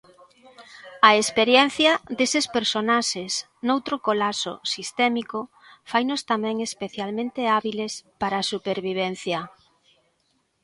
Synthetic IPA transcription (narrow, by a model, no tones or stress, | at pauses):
ɐespeɾjɛn̟θjɐd̪esespeɾsonaʃes | nowt̪ɾʊkolaso̰sist̪ɛmiko | fajnʊst̪amɛ̃ŋespeθjalmẽnt̪eaβilespaɾasupeɾβiβ̞ɛn̟θjɐ